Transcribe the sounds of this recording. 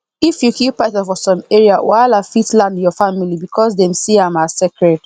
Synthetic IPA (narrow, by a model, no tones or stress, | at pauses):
ifjukipːatɔfɔsɔ̃meɹiawʔaɪlafitlãndjɔfamilibikʰɔsdɛ̃msiãmasekɹɛd